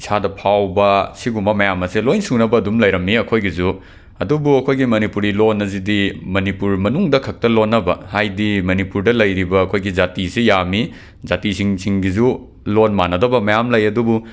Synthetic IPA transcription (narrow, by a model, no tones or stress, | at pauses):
sʰadɐpʰawbɐsiɡumɐmɐjamɐselojnsunɐbɐːdumlɐjɾɐmːiɐkʰojɡizu | ɐdubuɐkʰojɡimɐnipuɾilonːɐzidimɐnipuɾmɐnuŋdɐkʰɐk̚tɐlonːɐbɐ̰hajdimɐnipuɾdɐlɐjɾibɐːkʰojɡid͡ʒatisijami | zatisiŋsʰiŋɡizu | lonmanɐdɐbɐmɐjamlɐjɐdubu